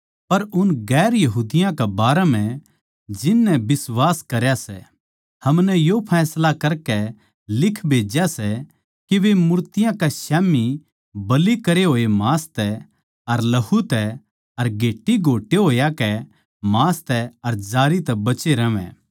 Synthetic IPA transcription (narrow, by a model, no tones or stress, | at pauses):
pɐɾʊnɡɛːɾjɐɦuːd̪ɪjãkɛbaːɾɛm̤ɛ̃ | d͡ʒɪnːɛ̃bɪswaːskɐɾjasɛ | hɐmnɛjopʰɛːslakɐɾkɛ | lɪkʰbʱeːd͡ʒjasɛ | kiʋemʊɾt̪ɪjãkasɛːmi | bɐlikɐɾeɦoːemaːst̪ɛ | ɐɾlɐɦut̪ɛ | ɐɾɡʱeːʈːiɡʱoːʈːeɦoːjakɛ | maːst̪ɛɐɾd͡ʒaːɾit̪ɛbɐt͡ʃeɾɐʋɛ̰̃ː